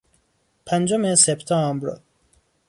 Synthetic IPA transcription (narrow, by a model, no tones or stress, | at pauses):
pʰænd͡ʒomesept̪ʰɒmbɾɔ̰